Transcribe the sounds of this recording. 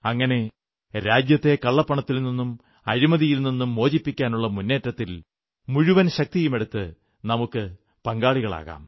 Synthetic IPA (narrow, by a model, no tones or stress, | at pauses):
ɐŋːɐne̞ | ɾaːd͡ʑjɐt̪ːe̞kɐɭːɐpːɐɳɐt̪ːilninːum | ɐ̰ɾimɐðijilninːumːo̞ːd͡ʑipːikʲːaːnuɭːɐmunːe̞ːtːɐt̪ːil | muɻuʋɐnɕɐk̚t̪ijume̞ɽut̪ːɨ | nɐmukːɨ | pɐŋɡaːɭiɣɐɭa̰ːɣa̰ːm